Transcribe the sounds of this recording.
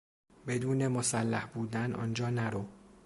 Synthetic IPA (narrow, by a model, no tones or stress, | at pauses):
be̞d̪uːne̞mosælːæhbuːd̪ænɒ̰nd͡ʒɒːnæɾo